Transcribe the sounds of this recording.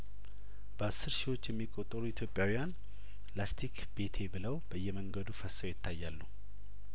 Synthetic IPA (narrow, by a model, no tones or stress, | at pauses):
b̥əasːɨɾʃiwo̞t͡ʃːjɛmːikʼot̪ʼːəɾuit̪ʰjopʼjawijan | last̪ʰik | b̥e̞t̪ʰe̞bɨləwb̥əjːɛməŋɡəd̪ufəsːəwjɪt̪ʰːajːalːu